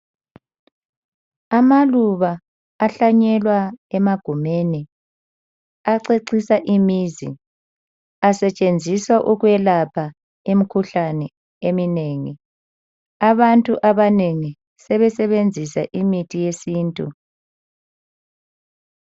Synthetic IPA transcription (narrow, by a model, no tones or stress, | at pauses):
amaluβaː | ɬaɲɛlwaɛmaɡ̥ʱumeni | aǀeǀisaʔimiːzḭ | asɛt͡ʃʼend͡zʱiswaʔuɣwɛlapʰa | emikʰuɬanɛ | emineːŋḭ | aβantʼuʔaβaneŋi | sɛβɛsɛβend͡zʱisa̰ʔimitʰʼijesiːntʼṵ